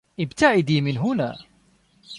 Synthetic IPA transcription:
ʔɪbt̪aʕɪd̪iːmɪnɦʊna̰ː

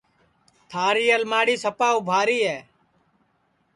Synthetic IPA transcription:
t̪ʰaːɾiːəlmaːɽiːsəpaːuːbʱaːɾiːɦɛː

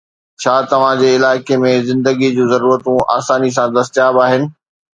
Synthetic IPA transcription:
t͡ɕʰaːt̪ɐʋ̤ãd͡ʑeːɪlaːɪkemẽzɪ̃nd̪əɡid͡ʑũːzɐɾuːɾət̪ũa̰ːsaːnis̬ãd̪ɐst̪ɪjaːbaːɦɪnɪ̆

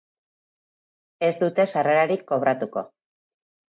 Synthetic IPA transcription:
e̞zd̪ut̪e̞ʃare̞ɾaɾikːo̞β̞ɾat̪uko̞̰

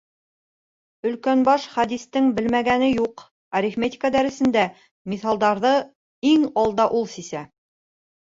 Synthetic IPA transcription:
ɵ̆lkænbɑʃχæd̪ist̪ɘŋbɘlmæɡænɘjuq | æɾʲifmʲet̪ʲɪ̥kad̪æɾɘ̆sɘ̆nd̪æ | miθɑlˠd̪ɑɾðɤ | iŋɑlˠd̪ɑʔulˠsisæ

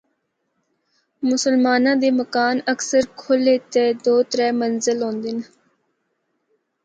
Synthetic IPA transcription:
mʊsəlmaːnãːd̪eːməkaːnəksəɾkʰoleːt̪eːd̪oːt̪əɾɛːmənzɪlɦõːnd̪ɪn

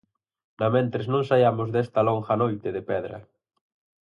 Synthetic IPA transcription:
nɐmẽnt̪ɾeznõŋsajamʊzðɛst̪ɐloŋxɐnojt̪eðepɛðɾɐ̰

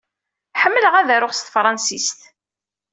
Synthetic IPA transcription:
ħəmːələʁæðæɾʊʁst̪fɾˤɑnsist̪

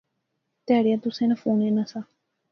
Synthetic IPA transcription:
t̪aːɽijãːt̪ʊsẽːnãpʰuːneːnaːsaː

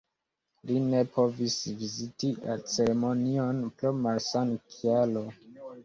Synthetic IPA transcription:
line̞pʰo̞visvizitia̰t͡se̞ɾemo̞nio̞nplomaɾsankʰialo

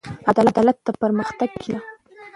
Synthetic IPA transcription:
ad̪ɑlad̪ɑlat̪ːapəɾməxt̪aɡ̚kʰila

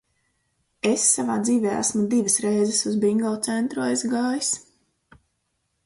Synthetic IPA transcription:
esːavaːd̪ziːvʲeːæ̰smud̪iːvəsɾɛjzɛsuzbiŋɡɔlˠt̪sɛnt̪ɾuajzɡaːjis

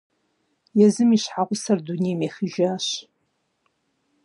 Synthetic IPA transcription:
jɛzɨmiɕħaʁʷʊsɐrdunejmeχiʒaːɕ

